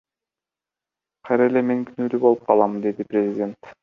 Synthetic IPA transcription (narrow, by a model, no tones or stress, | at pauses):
qʰɑjɾɑele̞me̞ŋkʰynyːlybo̞lˠup̚qʰɑlˠɑmnd̪e̞d̪iprʲezʲɪdʲe̞nt̪